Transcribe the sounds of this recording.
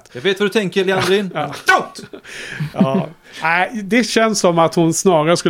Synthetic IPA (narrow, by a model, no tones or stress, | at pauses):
t̪jaɡveːt̪vadɵt̪ʰɛŋkəɾlɪand̪ɾinː | ɑː | æɪd̪ɛɕɛnsːɔmːat̪hʊnsnɑːɾaɾəskɵl